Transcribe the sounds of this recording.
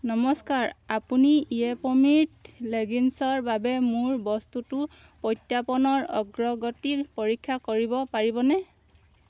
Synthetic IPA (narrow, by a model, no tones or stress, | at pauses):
nɔmɔskaɹapuniiɛpɔmiɹtleɡinsɔɹbabɛmuɹbɔstutu | pɔjtjapɔnɔɹɔ̰ɡɹɔɡɔtikpoɹikʰːakoɹibɔpaɹibɔnɛ